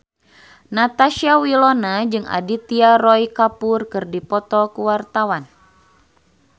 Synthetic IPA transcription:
nat̪aʃiawilɔnad͡ʒɨŋa̰dit̪iaɾɔjkapurkɨrdipɔt̪ɔkuwart̪awan

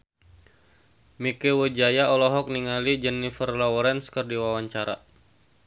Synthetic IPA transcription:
mikewəd͡ʒajaɔlɔɦɔk̚niŋalid͡ʒɛnifərlɔwɔɾɛnskərdiwawaɲt͡ʃaɾa̰

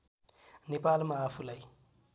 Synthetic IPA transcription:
nipaːlimaːfulai

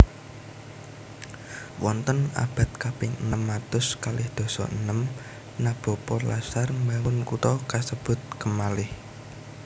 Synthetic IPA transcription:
wɔnt̪əna̰b̥a̤t̪̚kapɪŋənəmːat̪ʊskalɪhd̪̥ɔ̤sɔ̰ʔənəm | nab̥o̤pɔlasarmbawʊnkut̪ɔkasəb̥ʊ̤t̪̚kəmalɪh

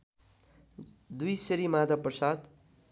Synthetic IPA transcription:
d̪ujseɾimad̪ʱaprʌsad̪

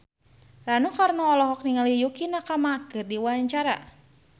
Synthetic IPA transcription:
ranukarnɔɔlɔɦɔk̚niŋalijukinakamakɨrdiwaaɲt͡ʃaɾa̰

